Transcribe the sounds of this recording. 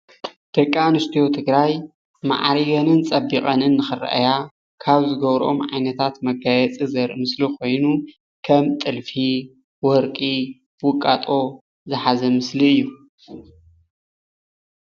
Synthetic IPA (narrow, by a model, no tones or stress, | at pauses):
d̪̥ɐkʼːanɨst̪ʰijot̪ʰɨɡɾaj | ma̰ʕɾiɡɐnɨnt͡sʼɐbixʼɐnɨnːɨxɨɾɐ̰ʔa̰ja | kʰaβzɨɡɐβɾʔo̞mʕajnɐt̪ʰat̪mɐɡajɛt͡sʼizɐɾʔɨmɨslikʰo̞jnu | kʰɐmt̪ʼɨlfi | wɔɾkʼi | wʊkʼːat̪ʼo̞ | zɨħazɐmɨsliɨjːu